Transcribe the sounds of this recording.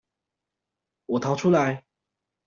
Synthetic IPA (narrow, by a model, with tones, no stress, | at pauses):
wɔ˨˩t̪ʰɑ˨˥ʊʈ͡ʂʰu˥la˧˦ɪ